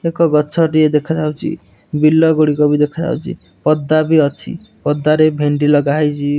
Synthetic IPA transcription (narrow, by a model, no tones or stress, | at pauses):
ekɔɡɔt͡ʃʰɔʈied̪ekʰatʰawt͡ʃʰḭ | bilːɔɡuɽikɔbid̪ekʰɔd͡ʒʰa̰wt͡ʃʰḭ | pɔd̪ːabiɔt͡ʃʰḭ | pɔd̪ːaɾebʱeɳɖilɔɡaɦajt͡ʃʰi